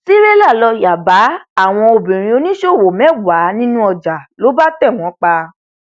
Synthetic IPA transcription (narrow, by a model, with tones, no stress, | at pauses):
si˦ɾe˦la˦˨lɔ˧ja˨ba˨˦a˦˨w̃ɔ̃˧o˧bĩ˨ɾ̃ĩ˧o˧nĩ˦ʃo˦˨wo˨mɛ̃˨˦wa˨˦nĩ˦nũ˦ɔ˧d͡ʒa˨lo˨˦ba˦tɛ˦˨w̃ɔ̃˨˦k͡pa˧